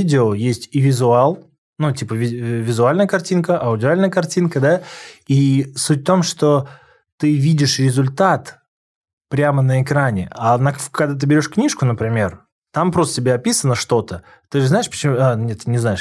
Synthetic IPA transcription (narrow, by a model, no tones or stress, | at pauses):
idʲɪojesʲtʲivʲɪzʊalˠ | nutʲipəvʲɪvʲɪzʊalʲnəjəkɐrtʲinkəʔɐʊdʲɪalʲnəjəkɐrtʲinkəd̪aisutʲft̪o̞mʂt̪o̞ | t̪ɨvʲidʲɪʂɾʲɪzʊlʲt̪at̪ | pɾʲamənəɪkɾanʲɪanɐkɐɡd̪at̪ɨbʲɪɾʲo̞ʂknʲiʂkʊnəpɾʲɪmʲe̞r | t̪ampɾost̪ətʲɪbʲeɐpʲisənəʂt̪o̞t̪ə | t̪ɨʐɨznaɪʂpə̥t͡ɕɪmanʲet̪ːɨnʲɪznaɪʂ